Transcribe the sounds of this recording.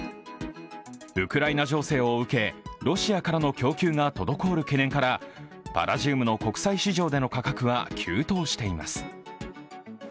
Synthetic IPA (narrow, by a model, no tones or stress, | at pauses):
ɯ̟kɯ̟ɾainaʑo̞ːse̞ːoɯ̟ke̞ɾo̞ɕiakaɾano̞kʲo̞ːkʲɨːŋat̪o̞d̪o̞ko̞ːɾɯ̟ke̞nẽ̞ŋkaɾa | b̥a̰ɾaʑɨːmɯ̟no̞ko̞kɯ̟̥saiɕiʑo̞ːd̪e̞no̞kakakɯ̟βakʲʰɨːt̪o̞ːɕi̥t̪e̞ima̰sɨ̥